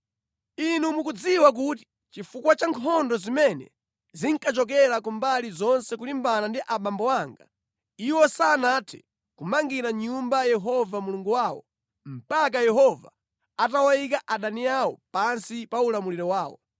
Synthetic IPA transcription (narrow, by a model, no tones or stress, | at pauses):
inumukud͡ziwak̬ut̬i̥ | t͡ʃifukwat͡ʃaŋkʰɔndɔzimɛnɛ̰ | ziŋkat͡ʃɔk̬ɛɾak̬umbalizɔnsɛkulimbanandiʔaɓambɔwaŋɡa̰ | iwɔsaːnatʰɛ̥ | kumaŋɡiɾaɲumbajɛɦɔvamuluŋɡuwaːwɔ̰ | m̩pak̬ajɛɦɔva̰ | atawajikaʔaɗaniawɔ̰pansipaulamuliɾɔwaːwɔ̰